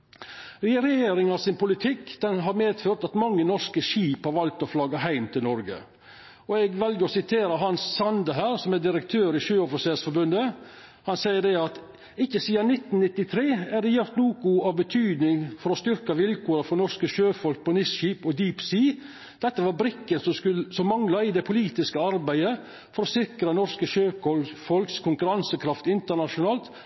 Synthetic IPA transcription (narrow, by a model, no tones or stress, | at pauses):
ɾɛjeːɾɪŋɑsɪnpʊlɪt̪ʰɪkːd̪̥ɛnɦɑɾmeːd̪føːɾt̪ɑt̪mɑŋːənɔɾskəʃiːphɑɾʋɑlt̪ɔflɑːɡɑɦæɪmt̪ʰɪlnɔɾɡə̰ | ɔɛɡʋɛlɡəɾɔsɪt̪ʰeːɾəɦɑnsːɑnd̪əɦæːɾsɔmɛd̪ɪɾəkt̪ʰøːɾɪʃøːɔfɪseːlsfɔɾbʉnd̪ə | hɑnsæɪəɖɛɑt̪ | ɪkːəsiːɑnɪt̪ːnnɪt̪ːɪt̪ʰɾeːæɖ̪ɛjʊɾt̪nuːkʊɑʋbət̪ʰyːd̪nɪŋfɔɾɔst̪ʏɾkɑʋɪlkʰoːɾəfɾɔnɔɾskəʃøːfɔlk̚pʰɔnɪsʃiːpɔd̪iːpsiː | d̪̥ɛt̪ːəʋɑɾbɾɪkːənsɔskʉlsɔmːɑŋlɑɪd̪ɛpʰʊliːt̪ɪskəɑɾbæɪə | fɔɾɔsɪkɾənɔɾskəʃøːkɔlfɔlkskʰʊŋkʉɾɑnsəkʰɾɑft̪ɪnt̪əɳɑʂʊnɑːlt̪